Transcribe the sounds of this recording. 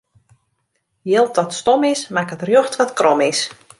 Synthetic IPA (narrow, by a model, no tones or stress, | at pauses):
jɪlˠt̚dɔtstɔmɪsmakətrjoxtʋɔtkrɔmɪs